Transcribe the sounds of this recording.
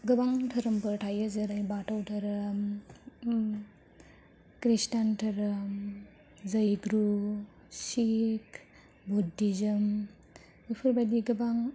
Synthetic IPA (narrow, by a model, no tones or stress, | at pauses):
ɡɯbaŋtʰɐɾɯmpɯɾtʰajɯzɐɾajbatʰawtʰɐɾɐm | kɾistantʰɐɾɯm | zɐjɡɾu | sik | budizɯm | bɯpʰɯɾbadiɡɯbaŋ